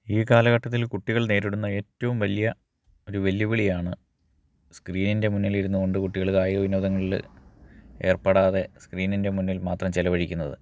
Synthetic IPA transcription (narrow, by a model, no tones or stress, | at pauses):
iːkaːlɐɣɐʈːɐt̪̬ːilkuʈːiɣɐɭne̞ːɾiɽunːɐe̞ːtːɐʋumʋɐlijɐ | o̞ɾuʋe̞ljuʋiɭijaːɳɨ | skriːninde̞munːiliɾunːuɣo̞ɳɖɨkuʈːiɣɐɭkaːjiɐʋinoːd̪ɐŋːɐɭil̰ | e̞ːrpɐːɽaːðe̞skriːninde̞munːilmaːt̪rɐmt͡ɕelɐʋɐɻikʲːunːɐðɨ̰